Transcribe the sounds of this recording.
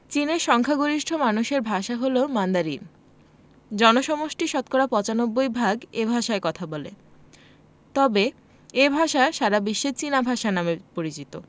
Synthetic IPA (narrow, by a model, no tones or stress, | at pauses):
t͡ɕineɾʃɔŋkʰaɡoɾiʃʈʰomanuʃeɾbʱaʃaɦolomand̪aɾin | d͡ʑɔnoʃɔmoʃʈiʃɔt̪̚koɾapɔt͡ɕanobːojbʱaɡebʱaʃaekɔt̪ʰabɔlḛ | t̪ɔbe | ebʱaʃaʃaɾabiʃːet͡ɕinabʱaʃanamepoɾit͡ɕit̪o̰